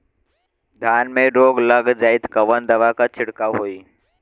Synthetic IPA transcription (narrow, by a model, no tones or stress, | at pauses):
d̪ʱjaːnmẽɾoːɡləɡd͡ʒaːɪd̪kəʋənd̪ɐʋakat͡ʃʰɪɽkaɦoːiː